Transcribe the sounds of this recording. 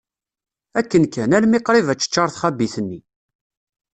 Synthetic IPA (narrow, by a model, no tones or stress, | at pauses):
ækːənkænælmiqɾivæt͡ʃːə̥t͡ʃːɑɾˤθχæbiθənːi